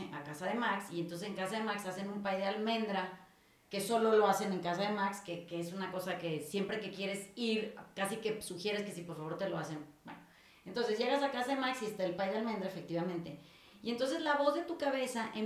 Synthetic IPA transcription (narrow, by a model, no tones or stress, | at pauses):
akasaðe̞maksient̪ons̬eseŋkasaðe̞maksase̞nũmpajðealmẽ̞nd̪ɾa | ke̞so̞lo̞lo̞ase̞ne̞ŋkas̬aðemakskekeesunako̞sake̞sje̞mpɾe̞ke̞kje̞ɾe̞siɾkasike̞suxje̞ɾeske̞sipo̞ɾfaβo̞ɾt̪e̞lo̞ase̞nbwḛno | ent̪o̞nse̞zʝe̞ɣ̞asakasaðe̞maksiest̪aelpajðealmend̪ɾaefe̞kt̪iβamẽnt̪e̞ | ient̪o̞ns̬e̞zlaβo̞zðe̞t̪ukaβe̞saʔe